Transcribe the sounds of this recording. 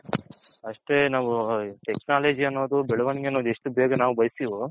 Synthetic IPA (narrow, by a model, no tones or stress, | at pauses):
ɐʂʈe̞naːʋuʈeknaːleːd͡ʒiɐnːoːd̪ubɛɭɐʋɐniɡeɐnːoːd̪eʂʈubeːɡɐnaːʋubɐjsiːʋo